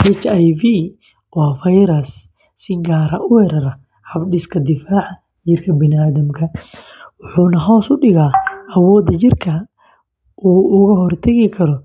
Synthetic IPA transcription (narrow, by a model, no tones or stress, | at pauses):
ʔɛt͡ʃajvi | wɑːfɐjɾɐs | sɪɡaːɾɐ̰ʔʊhɛɾɐɾɐ | ħɐbɖɪskʰɐd̪ɪfaːʕɑ | d͡ʒɪrkʰɐbɪnaːðɐmkʰɐ | wʊħuːnɐɦɔːsʊɖɪɣaːɐwɔːd̪ɐt͡ʃɪrkʰɐ | ʔuːʊɣɐɦɔrt̪ʰɐɣɪkʰɐɾɔ